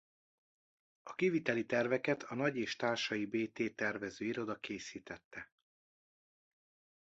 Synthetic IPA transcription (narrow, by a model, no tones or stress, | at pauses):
ɒkivit̪ɛlit̪ɛrvɛkɛt̪ʰɒnɒɟeːʃt̪aːrʃɒjibeːt̪eːt̪ɛrvɛzøːiɾo̞d̪ɒkeːsiːt̪ɛt̪ːɛ